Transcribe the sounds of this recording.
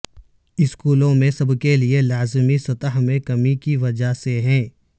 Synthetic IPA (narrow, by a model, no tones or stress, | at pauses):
ɪskuːlõmẽsɐbkelielaːzmisɐt̪əɦmẽkɐmikiʋɐd͡ʒaseɦɛ̃ː